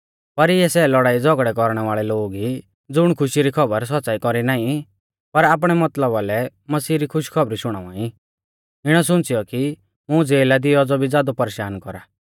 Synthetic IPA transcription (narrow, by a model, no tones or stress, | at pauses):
pɐɾɪɛsɛlɔɽaːid͡zɔɡɽɛk̬ɔɾɽ̃ɛʋaːɭɛloːɡi | d͡zʊɽ̃kʰʊʃiɾikʰɔbəɾs̬ɔtːt͡saːikɔɾinaːĩ | pɐɾaːp̬ɽ̃ɛmɐt̪ləbalɛ | mɐsiːɾikʰʊʃkʰɔbɾiʃʊɽ̃a̰ːʋã̰ːĩ | ɪɽ̃ɔsʊ̃nt͡sɪjɔki | mʊ̃d͡zeːlad̪ɪjɔd͡zɔbʱid͡zaːd̪ɔpɐɾeːʃaːnkɔɾaː